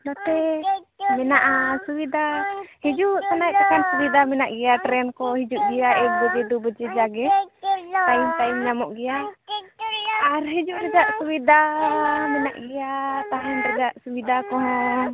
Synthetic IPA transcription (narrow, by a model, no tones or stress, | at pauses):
nat̪ɛ | mɛnaʔasuwid̪ahid͡ʒuʔt̪ɔnajɛp̪ɛkɛnsubid̪amɛnaʔɡɛjaʈɾɛnkɔhid͡ʒuʔɡɛjaʔɛbɔd͡ʒɛd̪ubəd͡ʒɛd͡ʒaɡɛ | t̪aimt̪aimɲamɔʔɡɛja | aɾɦid͡ʒuʔɾɛd͡ʒaʔsuwid̪amɛna̰ʔɡɛjat̪aɦɛnɾɛd͡ʒaʔsubid̪akɔɦɔ̃